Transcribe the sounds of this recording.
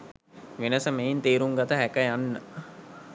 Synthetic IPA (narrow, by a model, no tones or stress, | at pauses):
ʋenəsəmejint̪eːɾuŋɡat̪əɦækəjanːə